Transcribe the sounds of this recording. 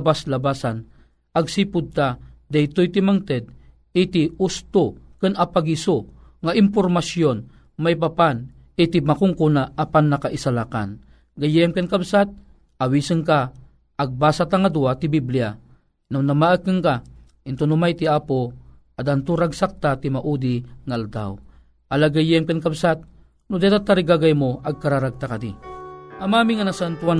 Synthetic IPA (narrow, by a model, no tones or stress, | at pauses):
baslabasan | aɡsipʊd̪̚t̪ad̪ajt̪ojt̪imaŋt̪ɛd̪̚ | it̪iust̪okɨnapaɡiso | ŋaʔimpormasjon | majp̬apan | it̪imakʊŋkunaːpanːakaʔisalaka̰n | ɡajɛmkənkabsat̪̚ | awisəŋkaː | ɡ̚baːsat̪aŋad̪uat̪ibiblia | nawnamaʔəkːɨŋka | ɪnt̪onumajt̪iapo | ad̪ant̪uɾaɡsak̚t̪at̪imaʔud̪iŋaʔald̪a̰w | ʔalaɡajɛmkenkabsat̪̚ | nud̪at̪at̪ːaɾiɡaɡajmoʔaɡ̚kaɾaɾaɡ̚t̪akad̪iamamiŋanasant̪ua